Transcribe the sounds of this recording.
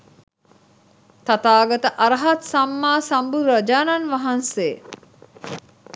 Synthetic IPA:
t̪at̪aːɡɐt̪əʔaɾɐɦat̪samːaːsambuɾɐd͡ʒaːnanʋaɦanseː

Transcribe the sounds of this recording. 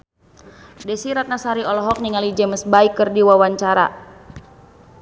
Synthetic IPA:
dɛsiɾat̪̚nasaɾiɔlɔɦɔk̚niŋalid͡ʒɛməsbaikːɨrdiwawaɲt͡ʃaɾa̰

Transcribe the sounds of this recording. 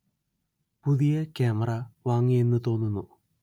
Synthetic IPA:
puðijɐkeːmɐrɐʋaːŋːije̞nːɨt̪o̞ːnːunːu

